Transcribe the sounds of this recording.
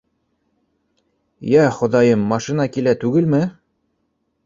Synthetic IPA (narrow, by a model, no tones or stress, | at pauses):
jæχŏðɑjɤmːɑʃinɑkilæt̪ʉɡɘlmɘ